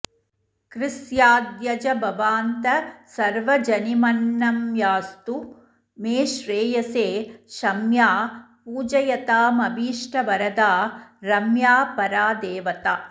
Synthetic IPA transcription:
kɾɪsjaːd̪jɐd͡ʒɐbɐʋaːnt̪ɐsɐɾʋɐd͡ʒɐnimɐnːɐmjaːst̪u | meːʃɾeːjɐseːʃɐmjaːpuːd͡ʒɐjɐt̪aːmɐbiːʂʈʰɐbɐɾɐd̪aːɾɐmjaːpɐɾaːd̪eːʋɐt̪aː

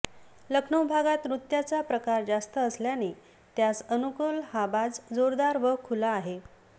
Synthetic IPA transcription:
ləkʰɳəwbʱaɡat̪ɾut̪jat͡sapɾəkaɾd͡zast̪əːsljane | t̪jasənukulhabad͡zd͡zoɾd̪aɾʋəkʰulaːɦe

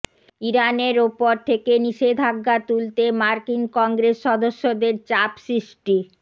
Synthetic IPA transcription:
iɾaneɾupoɾt̪ʰekeniʃed̪ʱaɡːat̪ult̪emaɾkinkɔŋɡɾesːɔd̪oʃːod̪eɾt͡ɕapsɾiʃʈi

